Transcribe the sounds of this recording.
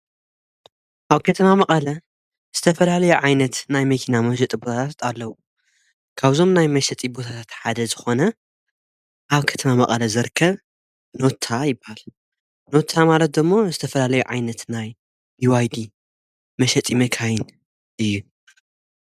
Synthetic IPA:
ʔaβkʰɐt̪ʰɐmamɐqʼɐlɐ | z̥ɨt̪ʰɐfɐlalɐjuʕajnɐt̪najmɐkʰinamɐʃ̬ɛt̪ʼibo̞t̪ʰat̪ʰat̪ʰalːɐwu | kʰaβzo̞mnajmɐʃɐt̪ʼibo̞t̪ʰat̪ʰat̪ħad̪ɐzɨxo̞nɐ | ʔaβkʰɐ̥t̪ʰɐmamɐqʼɐlɐzɨɾkʰːɐβ | no̞t̪ʰːajɪbːahal | no̞t̪ʰːamalɐt̪̚d̪ɨmːo̞zɨt̪ʰɐfɐlalɐjuʕajnɐt̪naj | iwajd̪i | mɐʃɐt͡s̪ʼimɐkʰajin | ʔɨjːu

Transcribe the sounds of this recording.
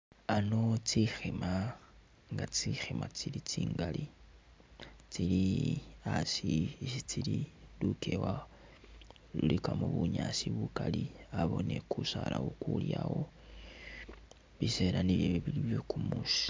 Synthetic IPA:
ano̞t͡sixema | ŋɡat͡sixemat͡silit͡siːŋɡali | t͡siliasisit͡sililukʰewa | lulikamuβuɲasiβukaliaβo̞ne̞kusalawokuljaɣo̞ | βise̞laniɾeβeβiliβjokumusi̥

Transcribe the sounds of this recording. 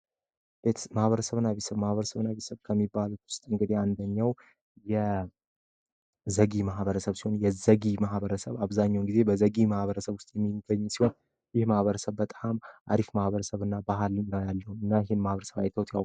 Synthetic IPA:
b̥et̪ʰmahβəɾəsəβnːaβet̪səβmahβəɾəsəβnaβet̪səβkʰəmːibːalut̪wʊst̪ʼɨŋɡɨd̪iand̪əɲːaw | jɛ | zəɡimaɦβəɾəsəβsi̥ho̞njɛzəɡimaɦβəɾəsəβaβzaɲːawnɡize̞bəzəɡimahβəɾəsəβwʊst̪ʼjɛmːiɡəɲːsiho̞n | jɪhmahβəɾəsəβbət̪ʼamʔa̰ɾifmahβəɾəsəβɨnːabaɦalnəwjalːəhumɨnːajɛhɪnmahβəɾəsəβa̰jt̪ʰəwt̪ʰjawʼ

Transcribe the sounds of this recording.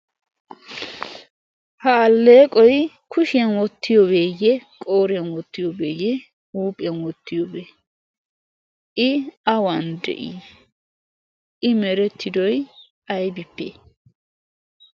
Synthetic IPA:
haːlːeːkʼɔj | kʰʊʃɪɐnwɔt̪ːɪjɔbeːjːɛkʼo̞ːɾɪɐnwɔt̪ːɪjɔbeːjɛ | uːpʼɪɐnwɔt̪ːɪjɔbeː | ʔɪɐwɐnd̪ɛ̰ʔḭ | ʔɪmɛɾɛt̪ʰːɪd̪ɔj | ɐjbɪpːḛ

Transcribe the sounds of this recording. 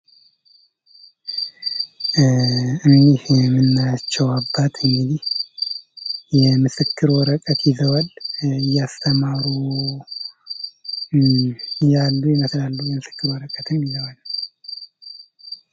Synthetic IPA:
ɨnd̪ihjɛmɨnːajat͡ʃːɛwabːat̪ʰʼɨŋɡɨd̪ih | jɛmɨsɨkːɨɾwɔɾəkʼət̪jɪzəwalɨjːast̪ʰəmaɾu | jalːujɪməslalːujɛmɨsɨ̥kːɨɾwɔɾəkʼət̪ʰɨnːizəwal

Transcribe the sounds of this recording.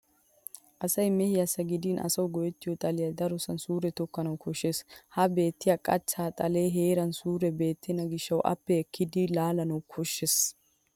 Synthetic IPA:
ʔɐsɐjmɛhɪjasɐɡɪd̪inʔɐ̰sɐwɡɔjɛt̪ːɪjɔt̪ʼɐlɪjɐd̪ɐɾɔsɐnsuːɾɛt̪ɔkːɐnɐwkʰɔʃeshɐbe̞ːt̪ːɪjakʼɐt͡ʃːaːt̪ʼɐleːɦe̞ːɾɐnsuːɾɛbe̞ːt̪ʰːɪnɐɡɪʃːɐwʔɐ̰pːɛɛkːɪd̪ɪlaːlɐnɐwkʰɔʃːes

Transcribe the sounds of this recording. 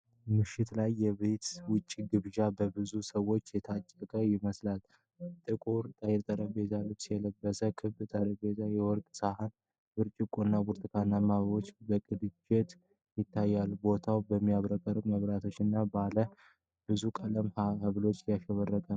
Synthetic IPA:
mɨʃːɪt̪lajːɛβet̪wʊt͡ʃʼːiɡɨβʒabəbɨzusəwo̞t͡ʃːjɛt̪ʰat͡ʃʼːəkʼəjɪməslal | t̪ʼɨkʼuɾt̪ʼəjɪɾt̪ʼəɾəbet̪ʰalːut͡ʃsjɛləbːəsəkʰɨβt̪ʼəɾəbet̪ajɛwɔɾkʼsahan | bɨɾt͡ʃʼɪkʼːoɨnːabuɾt̪ʰɨkʰanːamaβəβo̞t͡ʃːbəkʼɨd̪d͡ʒet̪ | jɪt̪ʰːajːalbo̞t̪ʰawbəmːijaβɾəkʼəɾəməβɾat̪ʰo̞t͡ʃːɨnːabalə | bɨzukʼələmhahɨβlo̞t͡ʃːjaʃɛβərːəkʼə

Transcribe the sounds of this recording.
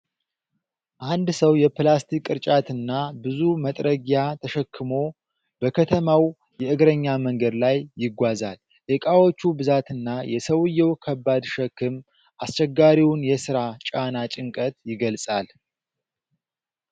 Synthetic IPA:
ʔand̪səwjɛplast̪ʰikʼɨɾt͡ʃʼat̪ɨnːabɨzumət̪ʼɾəɡjat̪ʰəʃəkʰːɨmo̞ | bəkʰət̪ʰəmaw | jɛʔɨɡɾəɲːaməŋɡəd̪lajːɪɡʷazal | ʔɛkʼawo̞t͡ʃːubɨzat̪ɨnːajɛsəwɨjːɛwkʰəbːad̪ʃɛkːɨm | ʔast͡ʃːɛɡːaɾiwʊnjɛsɨɾat͡ʃʼanat͡ʃʼɪŋkʼət̪jɪɡəlsʼal

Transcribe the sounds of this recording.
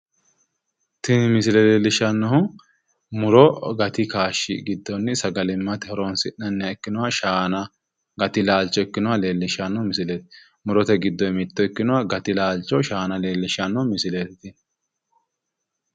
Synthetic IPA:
t̪ɪnmɪsɪlɛleːlːɪʃɐnːɔhʊ | mʊɾɔɡɐt̪ɪkaːʃːɪ̰ɡɪd̪ːɔnːɪsɐɡɐlɪmːɐt̪ɛhɔɾɔnsɪʔnɐnːɪjaɛkːɪnɔwɐʃaːnɐ | ɡɐt̪ɪlaːlt͡ʃːɔɛkːɪnʊwale̞ːlːɪʃɐnːɔmɪsɪlet̪ɪ̥ | mʊɾɔt̪ɛɡɪd̪ːɔjmɪt̪ːɔɛkːɪnʊwaɡɐt̪ɪlaːlt͡ʃːɔʃaːnɐleːlːɪʃɐnːɔhmɪsɪlet̪ɪt̪ɪ

